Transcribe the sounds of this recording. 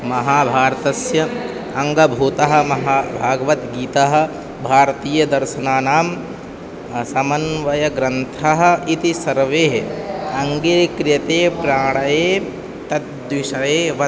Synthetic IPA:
mɐɦaːbʱaːɾɐt̪ɐsjɐ | ɐŋɡɐbʱuːt̪ɐɦɐ̆mɐɦaːbʱaːɡɐʋɐt̪ɡiːt̪aɦɐ̆ | bʱaːɾɐt̪iːjɐd̪ɐɾʃɐnaːnaːm | sɐmɐnʋɐjɐɡɾɐnt̪ʰaɦɐ̆it̪isɐɾʋeːɦɐŋɡiɾkɾɪjɐt̪eːpɾaːɳɐjeː | t̪ɐt̪d̪ʋiʃɐjeːʋɐ

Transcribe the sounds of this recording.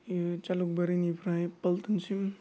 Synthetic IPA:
t͡ʃaluk̚bɐɾinipʰɾajpɐlt̪ənsim

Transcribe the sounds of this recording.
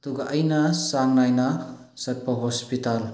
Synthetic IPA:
d̪uɡaʔəjnasaŋnajna | sɐt̚pʰɔɦɔspital

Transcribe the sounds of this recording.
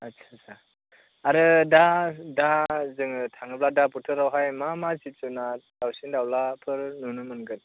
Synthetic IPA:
atsʰasʰa | aɾɯdadazɯŋɯtʰaŋɯbladaputʰɯɾawɦajmamazip̚t͡ʃunad̥awsindawlapʰɯɾnunɯmɯnɡɯn

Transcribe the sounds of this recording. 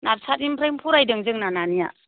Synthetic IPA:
naɾsʰatimpʰɾajmpʰuɾajdɯŋzɯŋnananija

